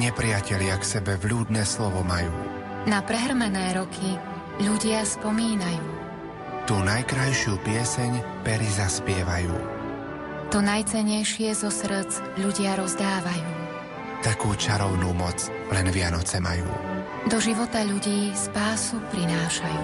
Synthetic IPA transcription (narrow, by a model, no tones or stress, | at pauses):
ɲɛpɾɪacɛʎɪaksɛbɛvʎuːd̪nɛːslɔʋɔmajṵː | napɾɛɦr̩mɛnɛːɾɔkʰi | ʎuɟɪaspɔmiːnajuː | t̪uːnajkɾajʃɪuːpɪɛsɛɲ | pɛɾizaspɪɛʋajṵː | t̪ɔnajt͡sɛɲɛjʃɪɛzɔsɾ̩t͡s | ʎuɟɪaɾɔzd̪aːʋajuː | t̪akuːt͡ʃaɾɔʊnuːmɔt͡s | lɛnʋɪanɔt͡sɛmajṵː | d̪ɔʒiʋɔt̪aʎuɟiːspaːsupɾinaːʃajuː